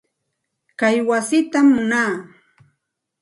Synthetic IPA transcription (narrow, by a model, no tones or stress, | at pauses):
kajwasɪt̪amːʊnaː